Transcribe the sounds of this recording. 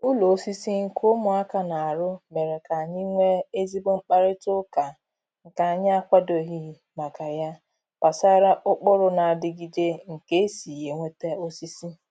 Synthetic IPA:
ʊ˦lo˨o˦si˦si˦ŋ̩˦kʰo˦mʊ˨a˦ka˨na˨a˨ɾʊ˦me˨ɾe˨ka˨a˨ɲɪ˦ŋʷe˦e˦zi˦bo˦ŋ͡m̩˦k͡pa˦ɾɪ˦tʊ˦ka˨ | ŋ̩˨ka˨a˨ɲɪ˦a˦kʷa˦do˨ɦi˦˨ | ma˨ka˨ja˦ | pa˨sa˦ɾa˦ʔʊ˦k͡pʊ˦ɾʊ˦na˨a˨dɪ˨ɡi˨d͡ʒe˦ŋ̩˨ke˦e˦si˨je˨ŋʷe˦te˦o˦si˦si˦

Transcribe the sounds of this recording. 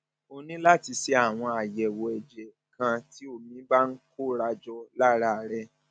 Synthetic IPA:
o˧nĩ˦la˦˨ti˧se˧a˦˨w̃ɔ̃˧a˨jɛ˨wɔ˨ɛ˨d͡ʒɛ˨ | kã˧ti˨˦o˦˨mĩ˨˦ba˦n̩˦ko˦ɾa˧d͡ʒɔ˧la˦ɾa˦˨ɾɛ˧

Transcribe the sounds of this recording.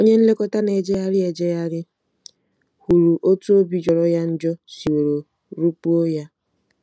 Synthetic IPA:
o˦ɲe˦n̩˦le˦kɔ˦ta˦ne˨d͡ʒe˦ja˦ɾɪ˦e˨d͡ʒe˦ja˦ɾɪ˦ | hu˨ɾu˨ʔo˦tu˦o˦bi˦d͡ʒɔ˨ɾɔ˦ja˦n̩˦d͡ʒɔ˦si˨we˨ɾo˨ | ɾu˦pu˦o˦ja˦

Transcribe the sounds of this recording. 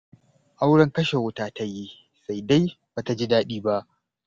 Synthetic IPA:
ʔa˦wɽɐ˦ŋkɐ˦ʃe˨wʊ˦taː˦ta˦ji˦ | sa˦˨jda˦jbaː˨ta˨d͡ʒi˦daː˦ɗiː˦ba˦ʔ

